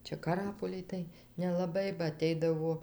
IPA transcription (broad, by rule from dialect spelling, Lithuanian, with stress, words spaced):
ˈt͡ʃʲɛ kɐˈrɑːpoːlʲɪj tɐɪ nʲɛlˠɐˈbɐɪ bɐ ɐˈtʲɛɪdɐʋoː